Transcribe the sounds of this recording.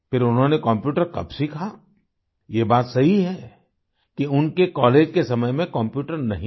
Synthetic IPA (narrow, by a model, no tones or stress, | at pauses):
pɪɾʊnɦõnekɔ̃mpjuːʈəɾkɐ̰bsikʰaa | jebaːt̪sɐɦiɦɛ | kiʊnkekɔːleːd͡ʒkesɐməjmẽkɐ̃mpjuːʈəɾnɐɦĩ